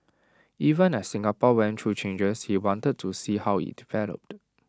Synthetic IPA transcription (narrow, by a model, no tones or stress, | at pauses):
ʔivə̃nɛsːɪ̃ŋapɔwɛ̃ntʰɹut͡ʃẽnd͡ʒəshiwɔ̃ntəd̚tʰusihawhḭdivɛlə̰p̚t